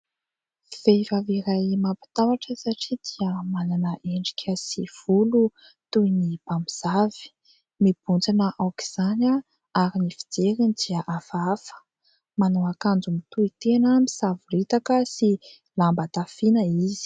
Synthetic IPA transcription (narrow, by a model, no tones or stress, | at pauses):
v̥ejvaviɾajmapi̥t̪awaʈ͡ʂəsaʈ͡ʂid̪̥iəmananəʔeɳɖ͡ʐi̥kʲʰəsiv̥ulu | t̪uinib̥amiz̥avi̥ | mib̥und͡zanəʔawki̥z̥ana | aɾinifi̥d͡zeɾinid̪iəʔafafə̥ | manoakand͡zumit̪uit̪enəmisaviɾit̪akəsi | lambat̪afinəizi̥